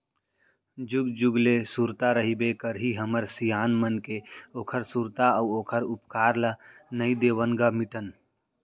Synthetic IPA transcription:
d͡ʒuɡd͡ʒuɡlesuɾt̪aɾəɦibekəɾɦiɦəməɾsijaːnmənkeoːkʰəɾsuɾt̪aəʊoːkʰəɾupkaːɾlənəĩd̪eːʋənɡamiʈən

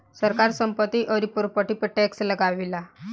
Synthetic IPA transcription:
səɾkaɾsəmpət̪ːiʔəɾipuɾpəʈipəʈɛksləɡaʋila

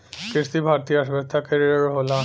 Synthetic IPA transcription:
kɾiʃt̪ibʱaɾt̪iaʃbet̪ʰakeɾɾɦola

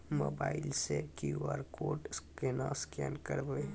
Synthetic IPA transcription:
moːbaːɪlsekiuaːɾkoːʈskenãskɛ̰ːnkəɾboe

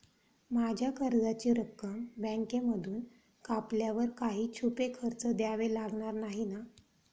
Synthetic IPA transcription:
mad͡ʑʱjakʰəɾd͡zat͡ɕiːɾəkːəmbɛ̃ŋkeməd̪ʱuːn | kapljaʋəɾkaɦiːt͡ɕʰupekʰəɾt͡səd̪jaʋelaɡɳaɾnaɦina

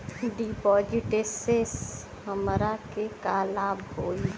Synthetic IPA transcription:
ɖipɔːd͡ʒiʈeses | ɦəmɾakekaːlaːbɦoːi

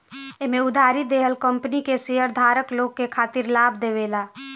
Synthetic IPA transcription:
emẽʊd̪ʱaːɾid̪eɦəlkəmpənikeseɦəɾd̪ʱaːɾəkloːɡ̚kekʰaːt̪iɾlaːbʱd̪eʋela

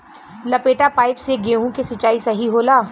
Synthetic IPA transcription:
lɐpeːʈapaːɪpseɡeːɦũkesɐt͡ʃaːisɐɦiɦoːlaː

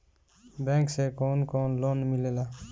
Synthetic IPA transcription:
bɛ̃ŋksekonkonlonmilela

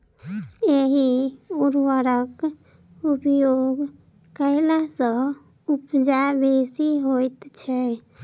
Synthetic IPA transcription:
eɦiuɾʋəɾək | upjoɡ | kəɪlasə | upd͡ʒabesiɦojt̪t͡ʃʰɛ

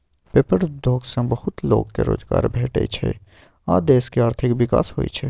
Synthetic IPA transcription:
peːpəɽd̪ʱoːɡsãbəhʊt̪loːɡkeɾo̰ːd͡ʒɡaːɾbʱeːʈḛt͡ʃʰɛ̰ | ad̪eːskeaːɾt̪ʰikʋɪka̰ːsɦoit͡ʃʰɛ

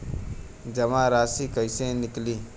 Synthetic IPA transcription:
d͡ʒəmãɾaːsiːkəɪsẽnɪkliː

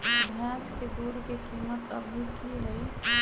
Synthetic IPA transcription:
bʱjasked̪uɾkekimət̪ə̰bʱikiɦəi

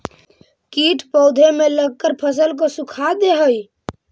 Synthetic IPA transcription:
kiʈʰpɔʊd̪ʱemeləɡ̚kːəɾpʰəs̬əlk̬osukʰad̪eɦəj

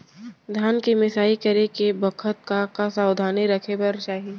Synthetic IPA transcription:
d̪ʱjaːnkimɪsaːikɐɾekebɐkʰət̪̚kakasaːwd̪ʱaːniɾɐkʰepɐɾt͡ʃaːɦieː

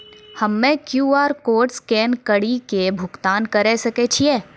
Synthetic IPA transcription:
hɐmːẽkjuːaːɾkoːɾʈskɛːnkəɽikebʱʊkt̪aːnkɐɾesɐket͡ʃʰieː

